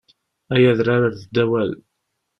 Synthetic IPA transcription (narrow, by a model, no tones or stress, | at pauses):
æjæðɾaɾaɾðəd̪ːæwæl